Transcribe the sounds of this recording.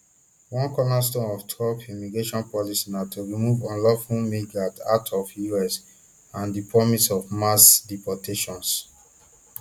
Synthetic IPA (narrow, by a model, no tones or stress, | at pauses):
wɔ̃nkɔnas̬tõnɔftʰɹɔpimiɡɹeʃɔ̃npɔlisinatuɹimuvɔ̃nlɔfumiɡatatʰɔfjuɛs | ãndipɹɔmisɔvmasdipɔtʰeʃɔ̃ns